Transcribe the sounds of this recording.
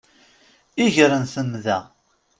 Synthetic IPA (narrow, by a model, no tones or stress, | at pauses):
iʝɾənθəmðæ